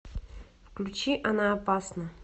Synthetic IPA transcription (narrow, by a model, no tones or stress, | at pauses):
fklʲʉt͡ɕiʔɐnaːpasnə